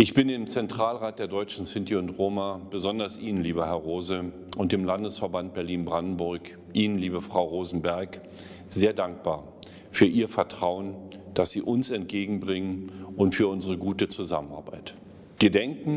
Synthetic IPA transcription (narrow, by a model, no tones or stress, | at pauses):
ʔɪçb̥ɪndɪːmt͡sɛntʁ̥aːlʁaːt̚d̥eːɐdɔʏt͡ʃn̩sɪntiʊntʁoːmab̥əzɔndɐsʔiːnənliːbɐɦɛɐʁoːzə | ʔʊnt̚d̥eːmlandəsfɛɐbant̚b̥ɛɐliːnbʁandn̩bʊɐk | ʔiːnənliːbəfʁ̥aʊʁoːzn̩bɛɐk | z̥eːɐdaŋk̚b̥a̰ːɐ | fyːɐʔiːɐfɛɐtʁ̥aʊənd̥asz̥iːʔʊnsɛntɡ̥eːɡŋ̩bʁɪŋənʔʊntfyːɐʊnzəʁəɡuːtət͡suza̰məna̰ːɐbaɪt | ɡ̥ədɛŋkŋ̩